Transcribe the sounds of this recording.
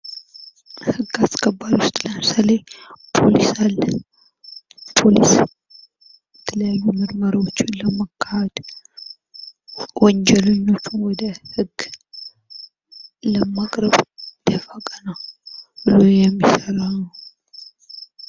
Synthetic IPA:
hɨɡːaskʰəbːaɾiwʊst̪ʼləsəlepʰo̞lisalːə | pʰo̞lis | bɛt̪ʰələjajːumɨɾməɾawot͡ʃːɪnləmakʰːahəd̪̥ | wɔnd͡ʒɛləɲːo̞t͡ʃːunwɔd̪əhɨɡː | ləmakʼɾəβd̪̥əfakʼənəwbɨlo̞jɛmːisəɾanəw

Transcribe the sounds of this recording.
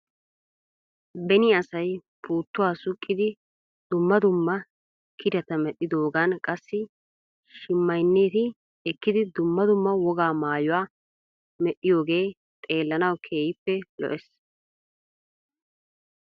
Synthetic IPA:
bɛnɪɐsɐjpʰuːt̪ːʊwaːsʊkʼːɪd̪ɪ | d̪̥ʊmːɐd̪ʊmːɐ | kʰɪd̪ɐt̪ɐmɛɗːɪd̪o̞ːɡɐnkʼɐsːɪ | ʃɪmːɐjnːeːt̪ɪ | ɛkːɪd̪ɪd̪ʊmːɐd̪ʊmːɐwɔɡaːmaːjʊwaː | mɛɗːɪjo̞ːɡe̞ː | t̪ʼe̞ːlːɐnɐwkʰe̞ːjɪpːɛlɔ̰ʔɛs

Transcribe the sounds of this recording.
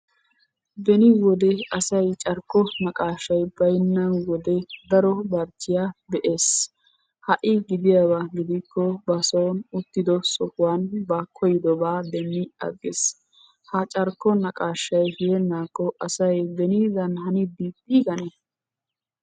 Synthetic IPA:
bɛnɪwɔd̪ɛɐsɐjt͡ʃʼɐɾkːɔnɐkʼaːʃːɐjbɐjnːɐwɔd̪ɛd̪ɐɾɔbɐɾt͡ʃːɪjabɛʔe̞ːs | hɐʔɪɡɪd̪ɪjabaɡɪd̪ɪkːɔbɐsoːnʊt̪ːɪd̪ɔsɔhʊwaːnbakʰɔjɪd̪ɔbaːd̪ɛnːɪɐ̰ɡːɪs | hɐt͡ʃʼɐɾkːɔnɐkʼaːʃːɐjhɪjɛnːaːkʼːɔʔɐsɐjbɛnid̪ɐnhɐnɪbiːt̪ʼːɪɡɐnɛ

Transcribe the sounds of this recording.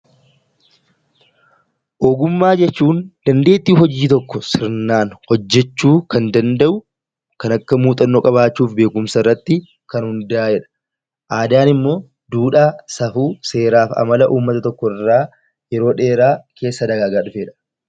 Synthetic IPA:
ʔoːɡʊmːaːd͡ʒɛt͡ʃːuːnd̪̥ɐnd̪e̞ːt̪ːiːɦɔd͡ʒiːt̪ɔkːɔsɪɾnaːnhɔd͡ʒːɛt͡ʃːuːkɐnd̪ɐnd̪ɐʔʊ | kɐnɐkːɐmuːt̪ʼɐnːoːkʼɐβaːt͡ʃːuːfbe̞ːkʊmsɐɪrːɐt̪ːɪ | kɐnhʊnd̪aːɛᶑɐ̥ | ʔaːd̪aːnɪmːo̞ː | d̪uːᶑaːsɐfuːse̞ːɾaːfɐ̰mɐlɐʔuːmːɐt̪ɐt̪ɔkːɔɪrːaː | jɛɾo̞ːᶑe̞ːɾaːke̞ːsːɐd̪ɐɡaːɡaːᶑʊfeːᶑɐ̥

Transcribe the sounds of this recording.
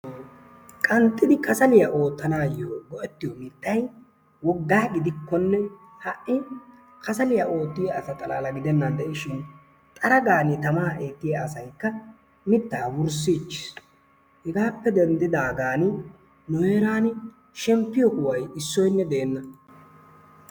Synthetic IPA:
kʼɐnt̪ʼːɪd̪ɪkɐsɐlɪjaʔo̞ːt̪ːɐnaːjoːɡɔʔɛt̪ːɪjɔmɪt̪ːɐj | wɔɡːaːɡɪd̪ɪkːɔnːɛ | hɐʔʔɪ | kʰɐsɐlɪjaʔo̞ːt̪ːɪjaɐsɐt̪ʼɐlaːlɐɡɪd̪ɛnːɐnd̪ɛʔɪʃɪn | t̪ʼɐɾɐɡaːnɪt̪ɐmaːʔeːt̪ːɪjɐːsɐjkːɐ | mɪt̪ːaːwʊɾs̬iːt͡ʃːɪ̥s | hɛɡaːpːɛd̪ɛnd̪ɪd̪aːɡaːnɪ | nʊeːɾaːn | ʃɛmpːɪjɔkʊwɐjɪsːɔjnːɛd̪e̞ːnːɐ

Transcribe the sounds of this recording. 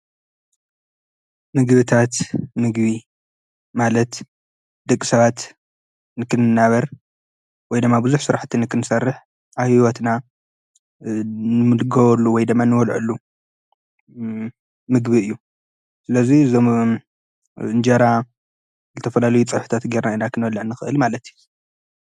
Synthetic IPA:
mɨɡbɨt̪ʰat̪mɨɡβi | malɐt̪ | d̪ɨkʼːi̥sɐβat̪ | nɨkʰɨnɨnːaβɐɾ | wɔjd̪ɨmːabɨzuħsɨɾaħt̪ʰinɨkʰɨnɨsɐrːɨħ | ʔaβhiwɔt̪na | nɨmɨlɨɡɐβɐlːuwɔjd̪ɨmːanɨwɔlʕṵlːu | mɨɡβiɨjːu | sɨlɐzizom | ɨnd͡ʒɐɾa | zɨt̪ʰɐfɐlalɐjut͡sʼɨħu̥t̪ʰat̪ɡeɾnainakʰɨnwɔlːɨʕnɨxɨʔɨlmalɐt̪ju

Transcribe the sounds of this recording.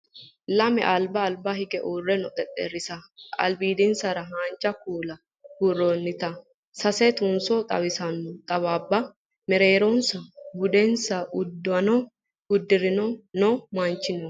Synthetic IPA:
lɐmɛ̰ʔɐlbɐːlbɐhɪɡɛʔuːrːɛnɔt̪ʼɛt̪ʼːḛɾɪsɐʔɐ̰lbiːd̪ɪnsɐɾɐɦaːnt͡ʃʼːɐkuːlɐ | huronːɪt̪ɐ | sɐsɛt̪ʊnsɔt̪ʼɐ̰βɪsɐnt̪ʼɐβaːbːɐ | mɛɾeːɾɔnsɐbʊd̪ɛnsɐʔʊd̪ːɔɐnɔ | ʊd̪ːɪɾɪnɔnɔmaːnt͡ʃːɪnɔ

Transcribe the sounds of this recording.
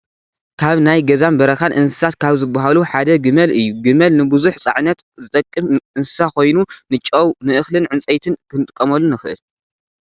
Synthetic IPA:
kʰaβnajɡɐzanbɐɾɐxanʔɨnsɨ̥sat̪kʰaβzɨbːaɦaluħad̪ɐɡɨmɐlʔɨjːuɡɨmɐlnɨbɨzuħt͡sʼa̰ʕnɐt̪zɨt̪ʼɐkʼːɨmʔɨnsɨ̥sakʰo̞jnunɨt͡ʃʼːɐwnɨʔɨxlɨnʕɨnt͡sʼɐjt̪ʰɨnkʰɨnɨt̪ʼɨkʼːɐmɐlːunɨxɨʔɨ̰l

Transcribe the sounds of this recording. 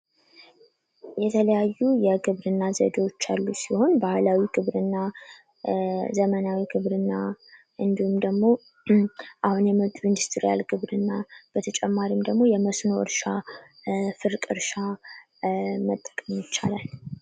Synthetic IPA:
jɛt̪ʰələjajːujɛɡɨβɾɨnːazə̰d̪o̞t͡ʃːalːusiho̞nbahlawiɡɨβɾɨnːa | zəmənawiɡɨβɾɨnːa | ʔɨnd̪ihumd̪əɡmo̞ | ʔahunjɛməβt̪ʼmɨnd̪ɨst̪ʰɾija̰lɡɨβɾɨnːab̥ət̪ʰət͡ʃʼɛmːaɾimd̪əɡmo̞jɛməsnoʔɨ̰ɾʃa | fɨɾkʼɨɾʃa | mət̪ʼːə̥kʼəmjɪt͡ʃːa̰lal

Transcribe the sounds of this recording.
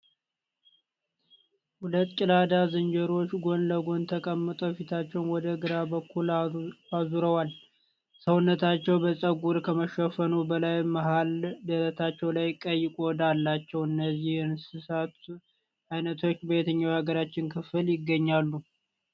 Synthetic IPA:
hulət̪ːkʼɪlad̪azɨnd͡ʒəɾo̞t͡ʃːɡo̞nləɡo̞nt̪ʰəkʼəmːɨt̪ʼofit̪ʰat͡ʃːɛwnwɔd̪əɡɨɾabəkʰːulazuɾəwal | səwʊnːət̪ʰat͡ʃːɛwbəsʼəɡuɾkʰəməʃəfənubəlajməɦald̪əɾət̪ʰat͡ʃːɛwlajkʼəjːɪkʼod̪alːat͡ʃːɛwɨnːəzːihɨnsɨsat̪ | ʔajnət̪ʰo̞t͡ʃːbet̪ʰəɲːawhaɡəɾat͡ʃːɪnkʰɨfɨljɪɡːəɲːalːu

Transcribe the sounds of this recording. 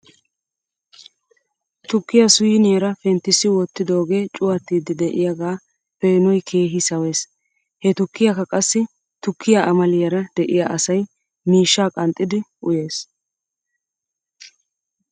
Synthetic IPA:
t̪ʊkːɪjɐsʊjɪnɪjɐɾɐfɛnt̪ːɪsːɪwɔt̪ːɪd̪o̞ːɡe̞ːt͡ʃʼʊwɐt̪ːiːd̪ɪd̪ɛʔɪjɐɡaː | feːnɔjkʰe̞ːɦɪsɐwe̞ːs | hɛt̪ʊkːɪjɐkːɐkʼɐsːɪ | t̪ʊkːɪjaʔɐmɐlɪjɐɾɐd̪̥ɛʔɪjaʔɐsɐj | miːʃːaːkʼɐnt̪ʼːɪd̪ɪʔʊje̞ːs

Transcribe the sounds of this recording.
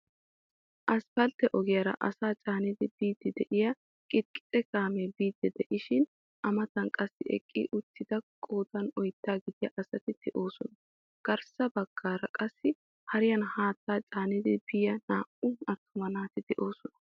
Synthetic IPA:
ʔɐspɐlt̪ːɛʔɔɡɪjɐɾɐ̰ʔɐsaːt͡ʃʼaːnɪd̪ɪb̥iːd̪ːɪd̪ɛʔɪjɐ | kʼɪkʼːɪ̥t̪ʼːɛkaːmɛbiːd̪ːɛd̪ɛʔɪʃɪn | ʔɐmɐt̪ɐnkʼɐsːɪɛ̰kʼːḭʔʊt̪ːɪd̪ɐkʼoːt̪ɐnɔjt̪ːaːɡɪd̪ɪjɐʔɐsɐt̪ɪd̪̥ɛʔo̞ːsɔnɐ | ɡ̥ɐɾsɐbɐɡ̥ːaːɾɐkʼɐsːɪ | hɐɾɪjɐnhaːt̪ːaːt͡ʃʼaːnɪd̪ɪb̥ɪjɐnaːʔʊɐt̪ʰːʊmɐnaːt̪ɪd̪ɛʔo̞ːsɔnɐ̥

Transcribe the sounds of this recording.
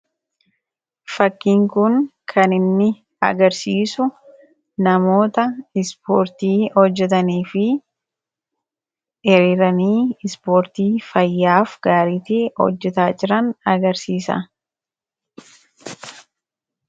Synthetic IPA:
fɐkːiːŋkʊŋkʰɐnɪnːɪ | ɐ̰ɡɐɾsiːsʊ | nɐmo̞ːt̪ɐɪspoːɾt̪iːhɔd͡ʒːɛt̪ɐniːfɪ | ɛɾiːɾɐniːɪspoːɾt̪iːfɐjːaːfɡ̥aːɾiːt̪eːhɔ̰d͡ʒːɛt̪aːd͡ʒɪɾɐnɐɡɐɾsiːsɐ̰

